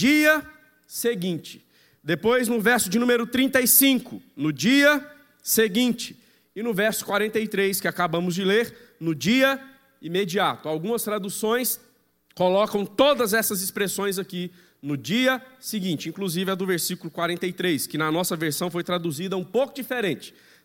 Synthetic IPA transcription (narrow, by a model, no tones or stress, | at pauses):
d͡ʒiɐ | seɡĩnt͡ʃɪ̥ | d̪epojznʊvɛɾsʊd͡ʒɪnũmeɾʊt̪ɾĩnt̪ɐjsĩkʊnʊd͡ʒiɐ | seɡĩt͡ʃɪ̥ | ɪnʊvɛɾsʊ̥kwaɾẽnt̪ejt̪ɾejskɪakabɐ̃mʊzd͡ʒɪleɾ | nʊd͡ʒiɐ | imed͡ʒiat̪ʊawɡũmɐst̪ɾad̪usõj̃s | kolɔkɐ̃w̃t̪od̪ɐzɛsɐzɪspɾesõj̃zaki | nʊd͡ʒiɐsɪɡĩnt͡ʃɪĩŋkluzivɪɛd̪ʊveɾsikʊlʊkwaɾẽnt̪ejt̪ɾejskɪnɐnɔsɐveɾsɐ̃w̃fojt̪ɾad̪uzid̪ɐũpowkʊd͡ʒifeɾẽnt͡ʃɪ̥